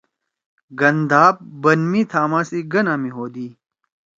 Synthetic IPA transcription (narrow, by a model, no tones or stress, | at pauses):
ɡɐnd̪aːb̚bɐnmiːt̪ʰaːmaːsiɡɐnaːmiɦoːd̪iː